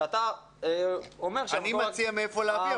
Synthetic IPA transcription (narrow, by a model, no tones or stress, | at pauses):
at̪a | omeʁʃanimat͡siameefoleavia